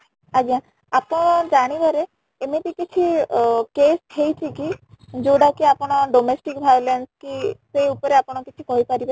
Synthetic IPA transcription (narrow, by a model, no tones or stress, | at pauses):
ad͡ʒiã | apɔɽ̃ɔd͡ʒaɽ̃ibaɾeː | met̪ikit͡ʃʰikesʰejt͡ʃʰikid͡ʒoɽakiapɔɽ̃ɔɖomesʈikbʱajlenskiseupɔɾeapɔɽ̃ɔkit͡ʃʰikɔɦipaɾiba